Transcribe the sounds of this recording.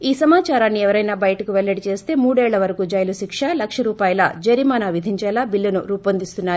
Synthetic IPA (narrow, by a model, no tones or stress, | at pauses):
iːsɐmaːt͡ʃaːɾaːnːiɛʋɐɾɐjnaːbɐjɐʈɐkuʋɛɭːɐɽit͡ʃe̞ːst̪e̞ːmuːɽɛːɭːɐʋɐɾɐkuːd͡ʒɐjluʃikʂaːlɐkʂɐɾuːpaːjɐla̰ːd͡ʒeɾimaːnaːʋid̪ʱiɲt͡ʃɛːlaːbilːɐnuɾuːpɐnd̪ist̪unːaːɾ